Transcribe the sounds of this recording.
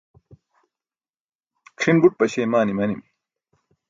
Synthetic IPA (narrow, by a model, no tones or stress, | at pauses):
kʰʂinbuʈ̚pɐɕeːmaːnimɐnim